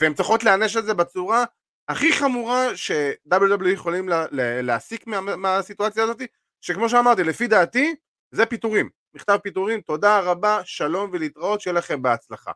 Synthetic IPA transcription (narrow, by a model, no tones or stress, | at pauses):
veemt͡siχo̞tleaneʃ̬etze̞bet͡suʁa | aχiχamuʁaʃe̞d̪abljud̪ablujeχo̞limlleleasikmameasit̪uat͡sjaːzo̞t̪i | ʃekmo̞ʃ̬eamaʁt̪ilefid̪aːt̪i | zepit̪uʁimːiχt̪avpit̪uʁimt̪o̞d̪aʁabaʃalo̞mvelit̪ʁao̞t̪t͡ʃejelaχe̞mbeat͡slaχa̰